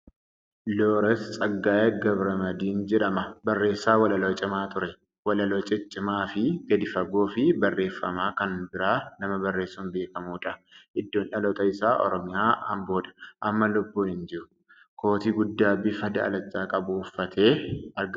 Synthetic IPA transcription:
loːɾɛst͡sʼɐɡːaːjɛɡɐbɾɐmɐd̪iːnd͡ʒɛᶑɐmɐbɐrːe̞ːsːaːwɐlɐloːt͡ʃʼɪmaːt̪ʊɾɛ | wɐlɐlɔt͡ʃʼɛt͡ʃʼːɪmaːfɪɡɐd̪ɪfɐɡoːfɪbɐrːe̞ːfːɐmaːkɐnbɪɾaːnɐmɐbɐrːe̞ːsːuːnbe̞ːkɐmuːᶑɐʔɪd̪ːoːnʔɐlɔt̪ʼɐɪsaːʔɔ̰ɾɔmɪjaːɐmboːᶑɐ̥ʔɐmːɐlʊbːuːhɪnd͡ʒɪɾʊ | kʰo̞ːt̪iːɡʊd̪ːaːbɪfɐd̪ɐɐ̰lɐt͡ʃʼːaːkʼɐbʊːfːɐt̪ʰe̞ːɐɾɡ

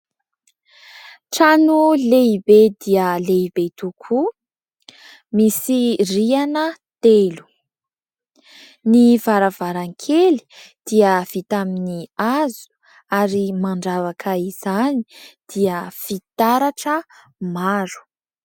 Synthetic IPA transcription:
ʈ͡ʂanuleibed̪iəleibet̪ukʰu | misirianət̪elu̥ | nivaɾavaɾaŋkʰeli̥ | d̪̥iəv̥it̪aminiazu̥ | aɾimaɳɖ͡ʐavakʰəiz̥ani̥d̪̥iəfit̪aɾaʈ͡ʂə | maɾu̥

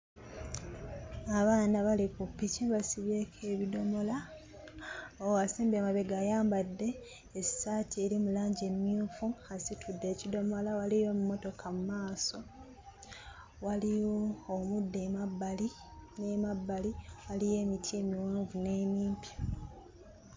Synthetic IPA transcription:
aβaːnaβalikupːiciβasiβjekʰe̞ːβido̞mo̞la | oasiːmbamaβe̞ɡajaːmbadːe̞ː | saːtʰie̞ɾimulaːɲɟe̞miuːfuasitʰudːe̞ːcido̞mo̞lawalijo̞mumo̞to̞kʰamumaːso̞ | walijoːmudːe̞mabːali | ne̞mabːaliwalije̞ːmitʰiːmiwaːɱvune̞ːmiːmpja

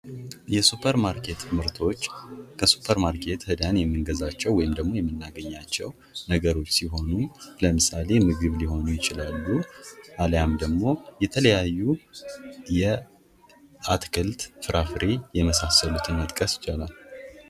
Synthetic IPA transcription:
jɛsupʰəɾmaɾkʰe̞t̪mɨɾt̪ʰo̞t͡ʃːkʰəsu̥pʰəɾmaɾkʰe̞t̪hɨd̪janjɛmːɨŋɡəzat͡ʃːɛwɔjɪmd̪əɡmo̞jɛmːɨnːaɡəɲːat͡ʃːɛw | nəɡəɾo̞t͡ʃːsiɦo̞nuləmɨsale̞mɨɡɨβliɦo̞nujɪt͡ʃɪlalːuʔaljamd̪əɡmo̞jɛt̪ʰələjajːu | jɛ | at̪kʰɨlt̪fɨɾʔafɾejɛməsasːəlut̪ʰɨnmət̪ʼkʼəsjɪ̥t͡ʃːalal

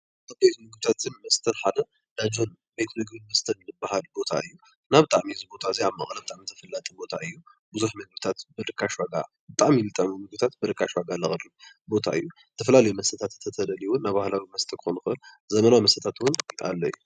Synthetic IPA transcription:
abejt̪nɨɡbɨt̪ʰat̪ʰɨnmɐst̪ʰɐnħad̪ɐ | d̪ad͡ʒo̞n | bet̪ʰɨnɨɡbɨnmɐst̪ʰɐnnɨbaɦalbo̞t̪ʰa̰ɨjːu | naβbɨt̪ʼaʕmiɨzɨbo̞t̪ʰaziaβmɐ̰χʼlɐbɨt̪ʼaʕmit̪ʰɐ̥fɐlːat̪ʼɨbo̞t̪ʰaʔɨjːu | bɨzuħmɐɡɨβt̪ʰat̪bɨɾɨkʰːaʃwaɡa̰ | bɨt̪ʼaʕmilɨt̪ʼaminɨɡ̚bt̪ʰat̪̚bɨɾɨkʰːaʃwaɡalɐxʼɨɾu | bo̞t̪ʰa̰ɨ̰jːu | t̪ʰːɐfɐlalɐjumɐst̪ʰɐt̪ʰat̪ɨt̪ʰɐt̪ʰɐd̪ɐliwʊnːaβbahlawimɐst̪ʰɐkʰɨ̥xonɨxɨʔɨl | zɐmɐnawimɐst̪ɐt̪ʰat̪wʊna̰lːɐjːu

